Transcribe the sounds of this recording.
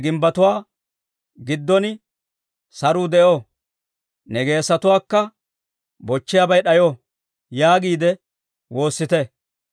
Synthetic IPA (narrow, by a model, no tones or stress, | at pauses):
ɡɪmbɐt̪ʊwaː | ɡɪd̪ːɔn | sɐɾuːd̪ɛʔo | nɛɡe̞ːsɐt̪ʊwaːkːɐ | bɔt͡ʃːɪjabɐjɗɐjɔ | jaːɡiːd̪ɛ | wo̞ːsːɪt̪ɛ